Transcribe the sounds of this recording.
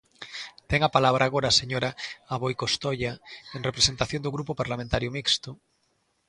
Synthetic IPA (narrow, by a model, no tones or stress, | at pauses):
t̪eŋapalaβɾʔaːɣoɾaːseɲoɾaaβojkost̪oʎaeŋrepɾesent̪aθjond̪oɣɾupopaɾlamẽnt̪aɾjʊmikst̪ʊ